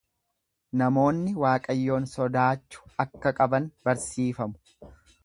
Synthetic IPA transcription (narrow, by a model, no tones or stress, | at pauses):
nɐmo̞ːnːɪwaːkʼɐjːo̞ːnsɔd̪aːt͡ʃːʊ̥ɐkːɐkʼɐbɐnbɐɾsiːfɐmʊ̥